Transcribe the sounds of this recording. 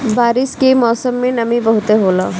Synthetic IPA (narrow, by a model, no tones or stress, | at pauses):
baːɾɪskemɔːsəmːẽnɐmibɐɦʊt̪eɦoːlaː